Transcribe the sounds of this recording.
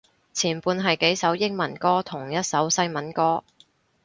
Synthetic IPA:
t͡sʰiː˨˩npuː˧nɦɐ˨jke˨˥jsɐ˨˥wjɪ˥k̚mɐ˨˩nkɔː˥t̪ʰʊ˨˩ŋjɐ˥t̚sɐ˨˥wsɐ˥jmɐ˨˥nkɔː˥

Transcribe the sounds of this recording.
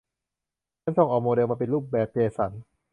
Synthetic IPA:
t͡ɕʰa˦˥nso˧ŋʔɔː˨˩moː˧de˧wmaː˧pe˧nluː˥˩p̚bɛː˨˩p̚peː˧sa˩˦n

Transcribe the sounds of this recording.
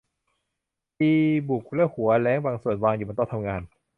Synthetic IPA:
piː˧bu˨˩k̚lɛ˦˥˩whu˨˩˦ɐlɛː˦˥ŋbaː˧ŋsu˨˩ənwaː˧ŋjuː˨˩ba˧nt̪ɔ˥˩ŋt̪ʰa˧mŋaː˧n

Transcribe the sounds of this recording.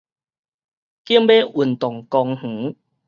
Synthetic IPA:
ki˦mbe˦ʔu˨˩nt̪ɔ˨˩ŋkɔ˧ŋh̩˨˦

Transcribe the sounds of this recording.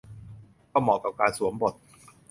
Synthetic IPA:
kɔː˥˩mɔː˨˩ka˨˩p̚kaː˧nsu˩˦əmbo˨˩t̪̚

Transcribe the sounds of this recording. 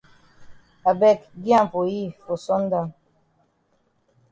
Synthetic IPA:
a˨bɛ˦kɡjã˦m˨fo˨ji˦fo˨sɔ˦n˦da˦˨

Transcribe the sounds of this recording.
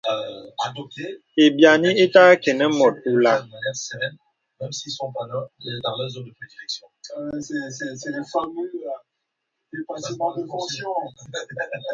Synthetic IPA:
a˨d̪ɔ˨p̚t̪e˦ | e˨bja˨nĩ˦e˦ta˦kɛ˨nə˦mɔ˨t̚u˨la˦də˨ma˨njɛ˦ʁsɛn | mɛ̃˦msi˦sɔ̃˦pa˨laɛd̪ɑ̃˨lɛzo˦nd̪ə˨pχed̪i˨lɛ˨ksjɔ̃˦sɛsɛ˨sɛ˨lɛ˨fa˨mi˦ | de˨pãimɑ̃˦d̪əfɔ̃sjɔ̃

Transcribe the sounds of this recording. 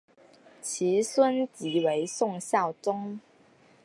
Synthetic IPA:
t͡ɕʰi˨˥swə˥nt͡ɕi˨˥we˧˥ɪsʊ˥˧ŋɕjɑ˥˩ʊt͡sʊ˥ŋ

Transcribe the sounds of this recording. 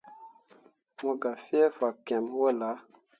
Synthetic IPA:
mo˦ɡa˨fi˦e˦fa˨kɛ˨m˦wo˦˨la˨˦

